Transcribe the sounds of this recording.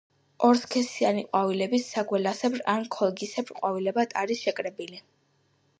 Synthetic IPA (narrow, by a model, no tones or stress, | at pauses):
ɔɾskʰɛsianiqʼwavilɛbisːaɡwɛlasɛbɾankʰɔlˠɡisɛbɾqʼwavilɛbat̪ʰʼaɾisʃɛkʼɾɛbili